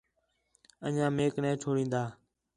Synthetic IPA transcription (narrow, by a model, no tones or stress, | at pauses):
ə̰ɲãːmeːknɛ̃ːt͡ʃʰoːɽĩːnd̪aː